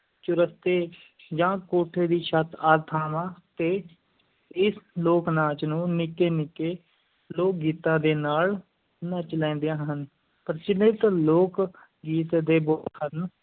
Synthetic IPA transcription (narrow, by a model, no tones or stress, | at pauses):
t͡ʃʊɾəst̪eː | d͡ʒãːkoːʈʰeːd̪iːʃət̪aːɾt̪ʰaːʋãːt̪eː | ɪsloːknãːt͡ʃnũːnɪkeːnɪkeː | loːk̚ɡiːt̪ãːd̪eːnaːl | naːt͡ʃəlɛ̃ːnd̪jãːɦən | pəɾt͡ʃɪnet̪ːloːk | ɡiːt̪d̪eːboːɦən